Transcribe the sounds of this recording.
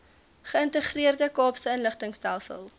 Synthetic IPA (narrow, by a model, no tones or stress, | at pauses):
χəəntəχriərdəkɑːpstəənləχtəŋstælˠsə̰lˠ